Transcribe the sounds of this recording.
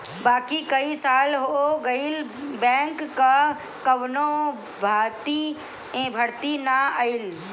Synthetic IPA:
baːkikəisaːlɦooɡəɪlbɛ̃ːŋkːə | kəʋno | bʱaːt̪i | ẽbʱəɾt̪inaəɪl

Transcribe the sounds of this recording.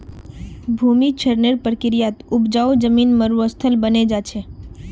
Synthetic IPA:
bʱumit͡ʃʰəɾneɾpɾəkɪɾijat̪upd͡ʒaud͡ʒəmiːnməɾuəst̪ʰəlbəned͡ʒat͡ʃʰɛ

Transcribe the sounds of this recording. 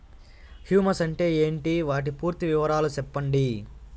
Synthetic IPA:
hjuːmɐsɐɳʈe̞ːe̞ːɳʈiʋaːʈ̬ipuːɾt̪iʋɪʋɐɾaːlut͡ʃɛpːɐɳɖi

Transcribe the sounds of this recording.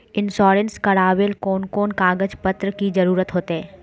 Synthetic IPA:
ɪnsɔːɾənskɐɾaːʋelkɔːnkɔːnkaːɡəd͡ʒpət̪ɾəkizɐɾuːɾət̪ɦoːt̪eɦɛ̃ː

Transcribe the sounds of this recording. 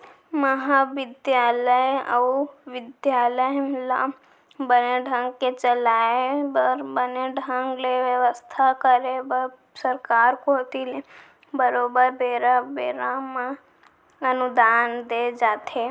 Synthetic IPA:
məɦaʋɪd̪jaːləjə̰uʋɪd̪jaːləjmla | bəneɖʱə̃ŋɡket͡ʃəlaːebəɾbəneɖʱə̃ŋɡleʋjəʋəst̪ʰakəɾebə | səɾkaːɾkot̪ile | bəɾoːbəɾbeːɾabeːɾamã | ənud̪aːnd̪ed͡ʒaːt̪ʰe

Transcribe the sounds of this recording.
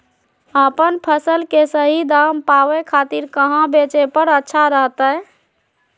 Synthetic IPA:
əpənpʰəsəlkesəɦid̪aːmpaːʋekʰaːt̪iɾkəɦãbeːt͡ʃepəɾətːʃʰaɾəɦt̪ə

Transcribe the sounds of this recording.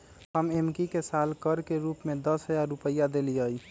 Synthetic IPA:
ɦəmemkikesalkəɾkeɾupmed̪əsɦəjaɾːupəjːad̪eliəj

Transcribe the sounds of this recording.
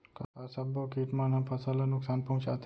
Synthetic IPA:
kakaːsɐbokiːt̪manɦɐmpʰɐsəlɐnʊksaːnpɐɦũt͡ʃa̰t̪

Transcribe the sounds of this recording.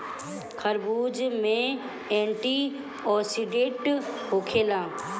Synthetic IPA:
kʰɐɾbuːd͡ʒmẽ | ẽːɳʈi | ɔːsiɖẽːʈɦoːkʰeːlãː

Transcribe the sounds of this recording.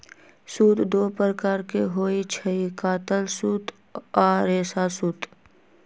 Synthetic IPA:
suːt̪d̪oːpəɾəkaːɾkeɦoːit͡ʃʰəikaːt̪əlsuːt̪ | aːɾeːsasuːt̪

